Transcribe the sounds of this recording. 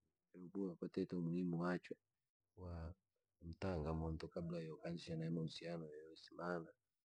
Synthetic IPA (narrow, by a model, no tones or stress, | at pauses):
ɛɾɔbuwakatɛtamulimuwat͡ʃwɛ | wa | m̩taŋɡamɔntɔkablajɔkansianaɛmausianɔjajɔsimana